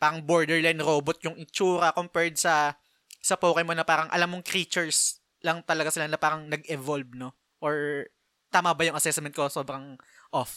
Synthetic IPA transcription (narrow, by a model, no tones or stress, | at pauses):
paːɾɐŋboɹd̪ɛɹlajnɾoːbot̪̚jʊŋɪnt͡ʃuːɾɐkompɛɹd̪̚sɐ | sɐpoːkɐjmo̞nɐpaːɾɐŋʔɐ̰lamːoŋkɾiːt͡ʃɛɹs | lɐŋt̪ɐlɐɡasɪlanɐpaːɾɐŋnɐɡɛvolb̚no̞ | ʔoɹ | t̪aːmɐbɐjʊŋʔɐsɛsmɛnt̪̚koso̞ːbɾɐŋʔof